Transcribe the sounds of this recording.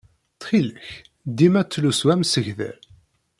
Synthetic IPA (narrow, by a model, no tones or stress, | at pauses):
θχiləç | d̪imæt͡sːluswæmsəʝðæ̰ɾ